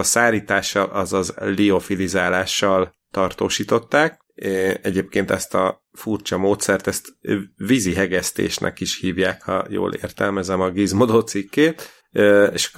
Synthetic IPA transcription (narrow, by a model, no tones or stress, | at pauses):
saːliːt̪aːʃːɒlʔɒzɒzlio̞filizaːlaːʃːɒl | t̪ɒrt̪oːʃiːt̪o̞t̪ːaːk̚ː | ɛɟeːp̚keːnt̪ɛst̪ɒ | furt͡ʃɒmoːt̪sɛrt̪ɛst̪viziɦɛɡɛst̪ḛːʃnʔɛ̰kiʃhiːvjaːkhɒ̰jo̰ːlʔḛːrt̪ɛlmɛzɛmɒɡizmod̪oːt̪sikːeːt̪ | øḛːʃ